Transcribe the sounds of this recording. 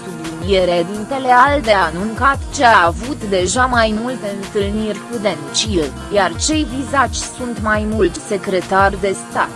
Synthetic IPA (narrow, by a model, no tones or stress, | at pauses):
t̪umilije̞ɾad̪int̪e̞le̞ald̪e̞anuŋkat̪t͡ʃeaːvut̪d̪e̞ʒamajmult̪e̞ɨnt̪ɨlnirʲkud̪e̞nt͡ʃil | jart͡ʃe̞jvizat͡ʃʲsunt̪majmult̪se̞kɾe̞t̪ard̪e̞st̪a̰t̪